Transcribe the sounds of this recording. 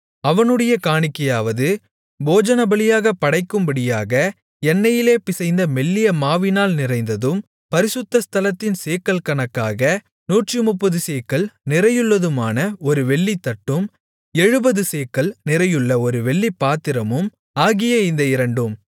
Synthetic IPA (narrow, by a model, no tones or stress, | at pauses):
ɐʋɐnɯɽɐjɐkaːɳɪkːɐjaːʋɐðɯ | boːd͡ʒɐnɐbɐɭɪjaːɣɐpːɐɽɐɪkːɯmbɐɽɪjaːɣɐ | ɛnːɐjɪleːpɪsɐɪnd̪ɐmɛlːɪjɐmaːʋɪnaːlnɪrɐɪnd̪ɐðɯm | pɐɾɪsɯt̪ːɐst̪ʰɐlɐt̪ːɪnseːkːɐlkɐɳɐkːaːɣɐ | nuːʈrimʊpːɐðɯseːkːɐɭnɪrɐjɯɭːɐðɯmaːnɐɔɾɯʋɛɭːit̪ːɐʈːɯm | ɛɻɯbɐðɯseːkːɐɭnɪɾɐjɯɭːɐɔɾɯʋɛɭːipːaːt̪ːɪɾɐmɯm | aːɣɪjɐɪnd̪ɐɪɾɐɳɖɯm